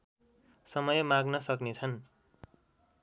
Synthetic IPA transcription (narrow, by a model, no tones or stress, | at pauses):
sʌmʌjmaɡnʌsʌknet͡sʰʌn